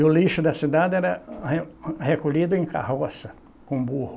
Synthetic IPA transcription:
ʊliʃʊd̪ɐsid̪ad̪ɪɛɾɐehekoʎid̪ʊẽka̰ɦɔsɐ | kõbuhʊ

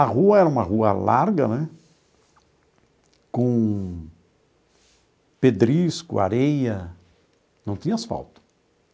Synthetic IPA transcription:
ɐɦuɐɛɾɐũmɐʁuɐ̰laɾɡɐnɛ | kõ | ped̪ɾiskʊ̰a̰ɾejɐ | nɐ̃w̃t̪ĩɲɐasfa̰wt̪ɐ̥

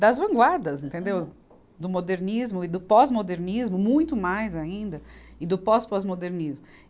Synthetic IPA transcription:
d̪ɐzvɐ̃ŋɡwaɾd̪ɐzẽnt̪ẽnd̪ew | d̪ʊmod̪eɾnizmʊɪd̪ʊpɔzmod̪eɾnizmʊmũj̃t̪ʊmajzaĩnd̪ɐɪd̪ʊpɔspɔzmod̪eɾnizmʊ

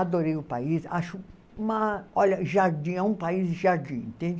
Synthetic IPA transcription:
ad̪oɾejʊpaisaʃʊ | ũmɐɔʎɐʒaɾd͡ʒĩɛũpaizʒaɾd͡ʒĩḛ̃nt̪ẽnd͡ʒ

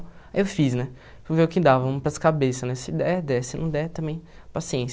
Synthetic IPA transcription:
aiewfisnɛ | foveʊkɪd̪avɐũpɾɐskabesɐnɛsɪd̪ɛd̪ɛsɪnɐ̰̃w̃d̪ɛt̪ɐ̃mbẽj̃ | pasiẽs

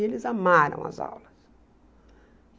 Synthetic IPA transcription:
elɪzamaɾɐ̰̃w̃ɐ̰za̰wlɐs

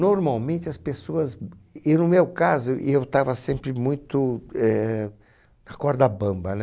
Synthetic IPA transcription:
noɾmawmẽnt͡ʃɪɐspesoɐzɪnʊmewkazʊʔɪ̰ewt̪avɐsẽmpɾɪmũj̃t̪ʊɛ | ɐkɔɾd̪ɐbɐ̃mbɐn

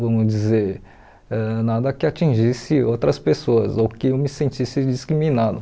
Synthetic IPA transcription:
vɐ̃mʊd͡ʒizeɾ | ɛnad̪ɐkɪat͡ʃĩʒisɪowt̪ɾɐspesoɐzowkɪewmɪsẽnt͡ʃisɪd͡ʒiskɾimĩnad̪ʊ

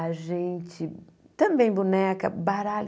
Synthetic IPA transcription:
aʒẽnt͡ʃɪ | t̪ɐ̃mbẽj̃bunɛkɐbaɾal

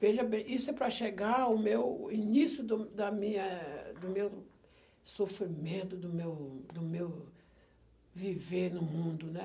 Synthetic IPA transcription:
veʒɐbẽj̃isʊɛpɾɐʃeɡaʊmewinisjʊd̪ʊd̪ɐmĩɲɐd̪ʊmew | sofɾimẽnt̪ʊd̪ʊmewd̪ʊmew | viveɾnʊmũnd̪ʊnɛ

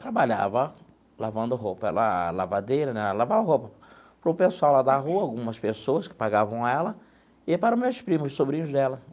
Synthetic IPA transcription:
t̪ɾabaʎa̰vɐ | lavɐ̃nd̪ʊɦopɐɛ̰lɐ̰lavad̪ejɾɐnɛlavãvɐɦopɐ | pɾʊpesuawlad̪aɦuɐawɡũmɐspesoɐskɪ̥paɡavɐ̃w̃aɛlɐ | ɪpaɾɐ̃mewspɾĩmʊssobɾĩɲʊzd̪ɛlɐ

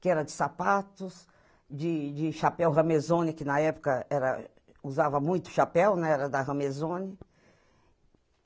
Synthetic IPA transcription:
kɪɛɾɐd͡ʒɪsapat̪ʊs | d͡ʒɪd͡ʒɪʃapɛwɦɐ̃mezõnɪkɪnɐɛpʊ̥kɐɛɾɐ̰ | uzavɐmũj̃t̪ʊ̥ʃapɛwnɛ̃ɛɾɐd̪ɐɦɐ̃mezõnɪ

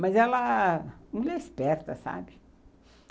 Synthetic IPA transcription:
mɐzɛlɐmulɛispɛɾt̪ɐsa̰bɪ

